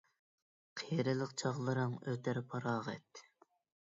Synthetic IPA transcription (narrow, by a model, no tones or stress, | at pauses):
qʰejɾɪlˠəqt͡ʃʰɑʁlˠɨɾɨŋøt̪ʰæɾpʰɑɾɑːʁɛt̪ʰː